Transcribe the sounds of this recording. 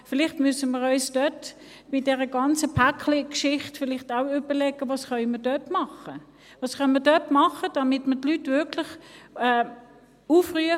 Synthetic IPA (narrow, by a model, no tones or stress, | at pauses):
fɪlɪχtmysəməʁɔʏsd̥œt | mɪt̚d̥ɛʁəɡɑnt͡səpʰakʰlikʃɪχtfɪlɪχtaʊʏb̥əlɛɡ̥əvɑːsχœʏməd̥œtmɑχə | vɑːsχœnmədœtmɑχəd̥ɑmɪtmətlytvʏkʰlɪχɛː | uːfʁyə